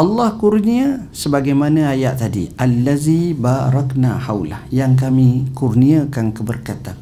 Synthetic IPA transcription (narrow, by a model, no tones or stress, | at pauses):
ʔɑlːɑhkurniasəbaɡajmanãajaʔt̪adiʔalːazibaɾˤɑkna̰hawla̰hjaŋk̬amĩkurniakankəbərkat̪an